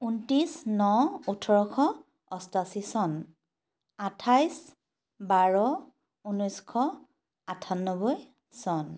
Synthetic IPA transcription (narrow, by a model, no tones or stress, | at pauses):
untisnɔutʰɔɹɔkʰɔ | ɔstasisɔn | atʰajs | baɹɔ | unɔjskʰɔ | atʰanːɔbɔj | sɔn